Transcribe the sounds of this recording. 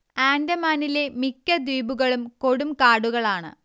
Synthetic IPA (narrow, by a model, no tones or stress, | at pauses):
aːndɐmaːnile̞mikːɐd̪iːbuɣɐɭumko̞ɽumkaːɽuɣɐɭaːɳɨ̰